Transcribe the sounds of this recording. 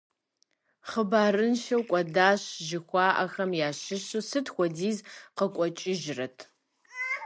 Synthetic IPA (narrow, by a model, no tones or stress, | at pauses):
χəbaːrɨnʃɐwkʷʼɐdaːɕʒɪxʷɑːʔɐxɐmjaːɕɪɕɨsɨtʰxʷɔdiːzqəkʷʼɔt͡ʃʼɪʒrɐtʰ